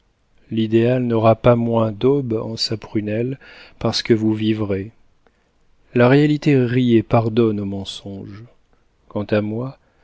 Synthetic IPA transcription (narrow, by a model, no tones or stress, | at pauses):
lid̪ealnɔʁapamwɛ̃d̪ɔbɑ̰̃sapχynɛlpaʁsə̥kəvuvivʁe | laʁealit̪eʁiepaʁd̪ɔnomɑ̃sɔ̃ʒ | kɑ̃t̪amwa